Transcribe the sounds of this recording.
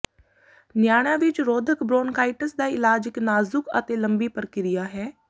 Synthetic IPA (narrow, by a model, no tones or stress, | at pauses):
njaːɽ̃ãːʋɪt͡ʃɾoːd̪ʱəkbɾoːnkaːɪʈəsd̪aːɪlaːd͡ʒɪknaːzʊkə̰t̪eːləmbiːpəɾkɪɾɪjaːɦɛː